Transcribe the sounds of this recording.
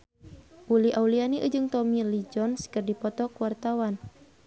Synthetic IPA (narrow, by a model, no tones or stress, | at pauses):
ʔuliʔaulianiʔə̰d͡ʒɨŋt̪ɔmilid͡ʒɔnskɨrdipɔt̪ɔkuwart̪awan